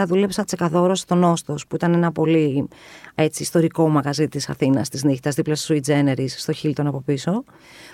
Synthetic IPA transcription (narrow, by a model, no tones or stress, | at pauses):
ɐðule̞psɐt͡se̞kɐðo̞ɾost̪o̞no̞st̪o̞spuit̪ɐne̞nɐpo̞li | e̞t͡siːst̪o̞ɾiko̞mɐɣɐzit̪isɐ̰θinɐst̪izniçt̪ɐzðiplost̪o̥suid͡zene̞ɾisːt̪o̞çilt̪o̞nɐpo̞piso̞